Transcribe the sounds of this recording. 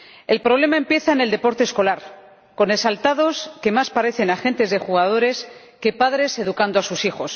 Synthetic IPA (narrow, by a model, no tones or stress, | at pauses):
e̞lpɾo̞β̞le̞maempje̞θaene̞ld̪epo̞ɾt̪esko̞laɾ | ko̞ne̞salt̪aðo̞ske̞maspaɾe̞θe̞naxe̞nt̪e̞zðe̞xuɣ̞aðo̞ɾe̞s | ke̞paðɾe̞se̞ðukand̪oasusixo̞s